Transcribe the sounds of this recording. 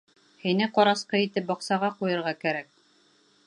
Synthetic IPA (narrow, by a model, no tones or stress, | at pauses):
hinɘqɒɾɑsqɤit̪ɘp̚bɒqsɑʁɑqujɤ̆ɾʁɑkæɾæk̚